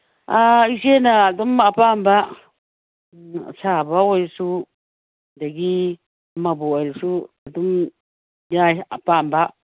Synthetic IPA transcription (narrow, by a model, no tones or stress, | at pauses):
aisienãat̪umapamba | saβawaisu | nd̪eki | mãbuaɾisuat̪um | jaapamba